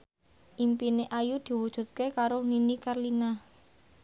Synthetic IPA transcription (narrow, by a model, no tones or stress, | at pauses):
ʔimpineʔajud̪̥i̤wud̥ʒ̥ṳt̪̚kekaɾoninikarlina